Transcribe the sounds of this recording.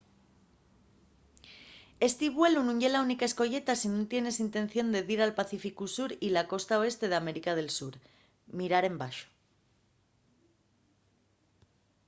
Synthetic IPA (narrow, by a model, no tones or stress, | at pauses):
e̞st̪iβwelunũɲʝe̞launikaesko̞ʝe̞t̪asinũnt̪je̞ne̞sint̪e̞nθjo̞nd̪e̞ðiɾalpaθifikusuɾilako̞st̪ao̞e̞st̪e̞ð̞eame̞ɾikað̞e̞lsuɾ | miɾaɾe̞mbaʃo̥